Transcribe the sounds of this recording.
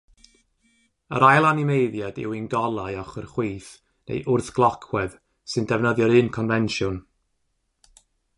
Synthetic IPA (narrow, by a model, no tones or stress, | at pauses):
ə̰ɾajlˠanimejðjadɪ̰winɡɔlˠajɔχərχwiːθ | nḛjʔʊrθɡ̥lˠɔkʰwɛð | sɨndɛvnəðjɔɾɨːnkʰɔnvɛnʃjʊn